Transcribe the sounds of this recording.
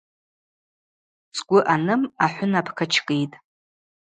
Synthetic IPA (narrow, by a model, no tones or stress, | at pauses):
t͡sʼkʷʼʊʔanɨmaħʷʊnapʰkʰat͡ʃʰkʼejtʼ